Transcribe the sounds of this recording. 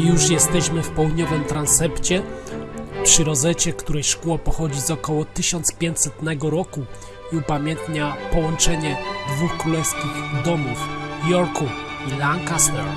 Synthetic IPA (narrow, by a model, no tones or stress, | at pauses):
juʂjɛst̪ɛɕmɘfpɛwd̪ɲɔvɘmt̪ɾansɛpt͡ɕɛ | pʂɘɾɔzɛt͡ɕɛkt̪uɾɛjʂkuwapɔxɔd͡ʑizɔkɔwɔt̪ɘɕɔnt̪spʲjeɲt͡ɕsɛt̪nɛɡɔɾɔku | iupamʲjɛnt̪ɲapɔwɔnt͡ʂɛɲɛd̪vuxkɾulɛskʲiɣd̪ɔmufjɔɾkufilaŋkaswɛ